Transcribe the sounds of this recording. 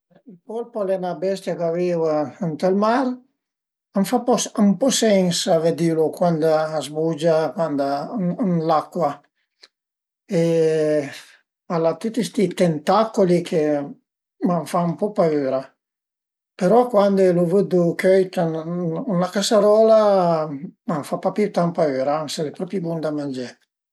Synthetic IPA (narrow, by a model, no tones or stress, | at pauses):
ilpɔlpalɛnabɛst̪jakavevaənt̪əlmaɾ | amfapɔsampɔsɛŋsaved̪ilokwand̪aːzbud͡ʒakwand̪anlakːwa | e | alat̪ut̪ːist̪it̪ɛnt̪akolikʰe | maɱfaumpɔpaøːɾa | peɾɔkwand̪elovəd̪ukøjt̪anunlakasaɾɔla | maɱfapapit̪ampaøːɾaaŋselepɾɔpibund̪amand͡ʒɛ